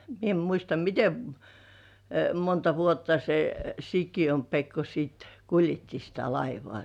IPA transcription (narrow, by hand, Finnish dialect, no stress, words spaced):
mie em muistɑ mite m montɑ ʋuotːɑ se sikijom pekːo siːt kuljetːi sitæ lɑiʋŏɑˑ